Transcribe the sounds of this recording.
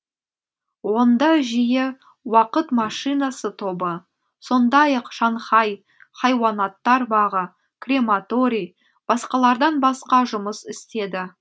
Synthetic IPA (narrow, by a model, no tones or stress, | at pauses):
wo̞nd̪ɑʒije | wɑqət̪mɑʃijnɑsət̪ʰo̞bə | so̞nd̪ɑjɑqʃɑɴχɑj | χɑjwɑnɑt̪ːɑɾbɑʁə | krʲe̞mat̪o̞ɾʲij | b̥ɑsqɑlˠɑɾd̪ɑnbɑsqɑʒʊməsɪst̪e̞d̪ɪ